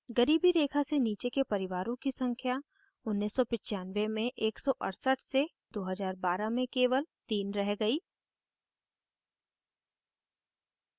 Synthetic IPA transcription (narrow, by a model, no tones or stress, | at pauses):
ɡɐɾiːbiɾeːkʰaseniːt͡ʃekepɐɾɪʋaːɾõkisɐ̃ŋkʰja | ʊnːisːɔpɪt͡ʃaːnʋemẽʔeːksɔʔɐ̰ɽsəʈʰse | d̪oːɦəzaːɾbaːɾamẽkeːʋəlt̪iːnɾɛɦɡɐiː